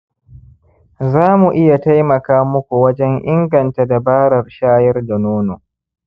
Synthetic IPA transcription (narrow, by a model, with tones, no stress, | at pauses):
zaː˦mu˨ʔɪ˦ja˨ta˦jmɐ˨kaː˦mʊ˦kʷu˨wɐ˦d͡ʒɛ˦ŋʔɪ˦ŋɡɐ˨nta˦da˨baː˦ɽɐ˨rʃaː˦jɐ˦rda˨noː˦noː˨